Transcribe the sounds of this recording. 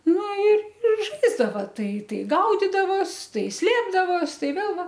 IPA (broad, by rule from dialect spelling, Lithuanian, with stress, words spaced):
ˈnʊ ɪ ɪr ˈʒɐɪzdɐʋɐ ˈtɐɪ ˈtɐɪ ˈɡɐʊdʲɪdɐʋoːs ˈtɐɪ ˈsʲlʲeːbdɐʋoːs ˈtɐɪ ˈʋʲeːlˠ ˈʋɐ